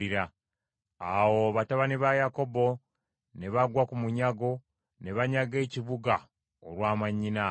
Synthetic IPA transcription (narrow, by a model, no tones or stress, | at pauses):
iɾa | awoβataβaniβajako̞bo̞ | ne̞βaɡwakumuɲaɡo̞ | ne̞βaɲaɡe̞ːciβuɡa | oɾwaːmaɲːina